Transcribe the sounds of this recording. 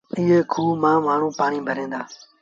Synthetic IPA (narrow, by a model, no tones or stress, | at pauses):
ɪɦeːkʰuːmãːmaːɳ̤ũːpaːɳiːbʱəɾẽːnd̪aː